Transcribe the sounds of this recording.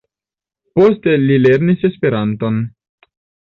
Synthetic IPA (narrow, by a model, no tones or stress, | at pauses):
po̞ste̞lile̞ɾnise̞spe̞ɾanto̞n